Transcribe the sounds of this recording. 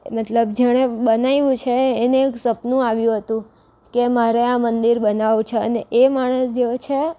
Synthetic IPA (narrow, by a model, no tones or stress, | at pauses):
mət̪ləb̚d͡ʒəɽ̃ebənaiʋũt͡ʃʰeːneeksəpnũaʋjũɦət̪ũ | kemaɾeãmənd̪iɾbənaʋut͡ʃʰeə̰neʔemaɽ̃əsd͡ʒeot͡ʃʰe